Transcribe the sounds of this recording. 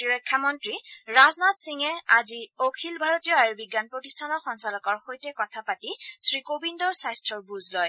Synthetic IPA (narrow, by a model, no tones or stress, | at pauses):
ɛkʰːamɔntɹiɹaznatsiŋɛaziokʰilbʱaɹotijɔajɹbiɡanpɹotistʰanɔxɔnsalɔkɔɹxojtɛkɔtʰapatisɹikobindɔɹsajstʰɹɔɹbuzʱlɔj